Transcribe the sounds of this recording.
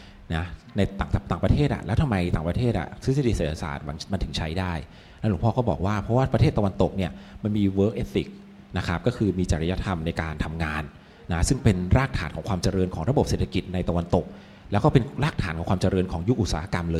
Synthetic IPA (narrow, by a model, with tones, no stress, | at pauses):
na˦˥na˧jt̪aː˨˩t̪aː˨˩pɾa˧t̪ʰeː˥˩ʔa̰˨˩lɛː˦˥wt̪ʰa˧mːa˧jt̪aː˨˩ŋpɾa˧t̪ʰeː˥˩t̪ʔa̰˨˩sʰɯ˦˥sa˧˥di˧˩seː˨˩a˧sa̰ː˨˩t̪̚wa˩˨˦ŋma˧nt̪ʰɯ˩˦ŋt͡ɕʰa˦˥jdaː˥˩j | na˦˥nlu˩˦pʰɔː˥˩kɔ˥˩bɔ̰ː˨˩k̚waː˥˩pʰɾɔ˦˥waː˥˩pɾa˧tʰeː˥˩t̪ːa˧wa˧nt̪o˨˩k̚ni˥˩ɐma˧nmiː˧wɤː˦˥k̚ʔeː˦˥t̪ːi˨˩k̚ | na˦˥kʰɾa˦˥p̚kɔː˥˩kʰɯː˧miː˧t͡ɕa˨ɾi˦ja˦˥t̪ʰa˧mna˧jkaː˧nt̪ʰa˧mŋaː˧nː | a˦˥sɯ˥˩ŋpe˧nɾaː˥˩k̚t̪ʰaː˩˦nkʰɔː˩˦ŋkwaː˧mt͡ɕa˧ɾɤː˧nkʰɔː˩˦ŋɾa˧bo˨˩p̚se˨˩t̪ʰa˧ki˨˩t̪̚na˧jt̪a˧wa˧nt̪o˨˩k̚ | lɛ˦˥wkɔː˥˩pe˧nɾaː˥˩k̚t̪ʰaː˩˦nkɔː˩˦ŋʰkwaː˧mt͡ɕa˧ɾɤː˧nkʰɔː˩˦ŋju˦˥k̚ʔu˨˩t̪̚saː˨˦a˦˧ka˧mlɤː˧j